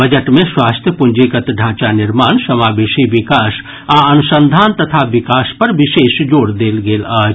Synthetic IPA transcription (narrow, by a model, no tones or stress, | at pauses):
bəd͡ʒəʈmẽswaːst̪ʰjəpʊ̃ɲd͡ʒeːkət̪ɖʱãːt͡ʃanɪɾmaːnsɐmaːbeːʃiʋɪkaːs | aːɐnʊsə̃nd̪ʱaːnt̪ɐt̪ʰaʋɪkaːspɐɾʋɪʃeːʃd͡ʒoːɽd̪eːlɡeːlaː